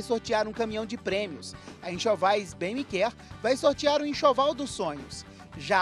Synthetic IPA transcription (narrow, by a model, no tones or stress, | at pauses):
jsoɾt͡ʃiaɾũkɐ̃mĩɐ̃w̃d͡ʒɪpɾẽmiʊsɐẽʃovajzbẽj̃mɪkɛɾ | vajsoɾt͡ʃiaɾʊ̃ẽʃovawd̪ʊsõɲʊs | ʒa